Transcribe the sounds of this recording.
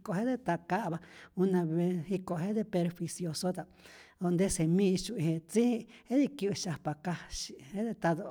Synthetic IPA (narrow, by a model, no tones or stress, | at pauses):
koɦẽd̪et̪akaʔβaunãβehikoɦed̪epeɾɸisjosot̪a | ond̪esemĩʃũiet͡siiheðikuuʃapakaʃi̥hed̪et̪aðo